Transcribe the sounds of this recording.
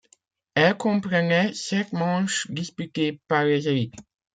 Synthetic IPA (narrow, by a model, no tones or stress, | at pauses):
ɛlkɔ̃pχənɛsɛt̪mɑ̃ːʃd̪ispyt̪epaʁlezevik